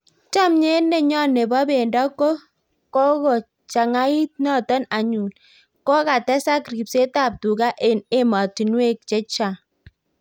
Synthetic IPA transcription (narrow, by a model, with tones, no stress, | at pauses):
t͡ʃa˦mɲe˦ne˦ɲɔ˦ne˨bɔ˦be˨ndɔ˦ko˦ | kɔ˦ko˨ | t͡ʃa˨ŋa˦i˦t̚nɔ˦tɔ˦na˨ɲu˨n | kɔ˦ka˨tɛ˦sa˦kɾi˨pse˦ta˦˨p̚tu˨ka˦ʔe˨ne˦ma˨ti˨nwe˦k̚t͡ʃe˦t͡ʃa˨